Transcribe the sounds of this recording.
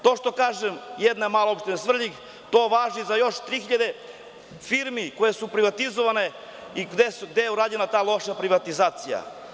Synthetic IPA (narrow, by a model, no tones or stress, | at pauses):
t̪o̞ːʃt̪o̞kaːʒemjed̪namaːloopʃt̪enesʋr̩ʎiɡ | t̪oːʋaːʒizajo̞ʃt̪ɾiːxiʎad̪e̞ | fiɾmikojesupɾiʋat̪izoʋane̞ | id̪esuɡd̪ejeuɾaːd͡ʑenat̪aːlˠo̞ʃapɾiʋat̪izaːt̪sija̰